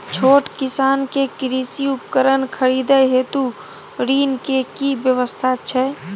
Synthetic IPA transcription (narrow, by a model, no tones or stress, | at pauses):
t͡ʃʰoːʈkɪsaːnkekɾiːsiʊpkəɾənkʰəɾiːd̪əɦet̪u | ɾiːnkekibjəʋəst̪ʰat͡ʃʰɛ